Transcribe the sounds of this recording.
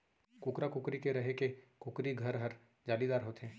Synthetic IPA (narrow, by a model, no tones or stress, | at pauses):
kʊkɾakʊkɾikeɾɐɦekekʊkɾiɡʱɐɾɦɐɾ | d͡ʒaːlid̪aːɾɦoːt̪eɦɛ̃ː